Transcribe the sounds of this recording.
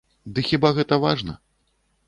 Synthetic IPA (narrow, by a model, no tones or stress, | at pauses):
d̪ɨxʲibaɣɛt̪ɐvaʐnɐ̰